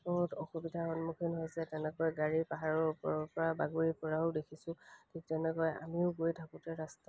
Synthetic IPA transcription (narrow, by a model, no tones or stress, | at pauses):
ɔɦutɔxubidʱaxɔnmukʰinɦojzɛtɛnɛkɔjɡaɹipaɦaɹɔpɔɹɔpɔɹabaɡuɹipɔɹaʊdekʰisʊ̃tʰik̚tɛnɛkɔja̰miʊɡojdʱaputɛɹasta